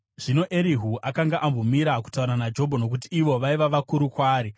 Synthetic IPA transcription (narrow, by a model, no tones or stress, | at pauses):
ʐ̥ino̞ʔeɾiɦuʔakaŋɡaʔambomiɾaku̥tauɾanad͡ʒo̞bʱono̞k̬utiːʋo̞ʋaiʋaʋakuɾukwaːɾi